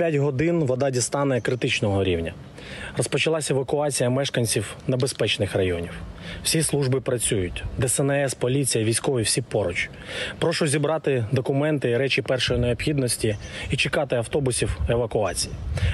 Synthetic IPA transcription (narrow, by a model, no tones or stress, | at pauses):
pʲjatʲɦɔd̪ɪnʋɔd̪ɑdʲist̪ɑnɛkɾɪt̪ɪt͡ʃnɔɦɔɾʲiwnʲɐ | rɔspɔt͡ʃɪlˠɑsʲeʋɐkʊɑt͡sʲijɐmɛʃkɐnʲt͡sʲiwnebespɛt͡ʃnɪxrɐjɔnʲiwwsʲislˠuʒbɪpɾɐt͡sʲujʊtʲd̪ɛsɛnɛɛspɔlʲit͡sʲijɐʋʲijsʲkɔʋʲiwsʲipɔɾɔt͡ʃ | pɾɔʃɔzʲibɾɑt̪ɪd̪ɔkʊmɛnt̪ɪɾɛt͡ʃʲipɛrʃɔjineɔpxʲid̪nɔsʲtʲiit͡ʃɪkɑt̪ɪɐwt̪ɔbʊsʲiwe̞ʋɐkʊɑt͡sʲiji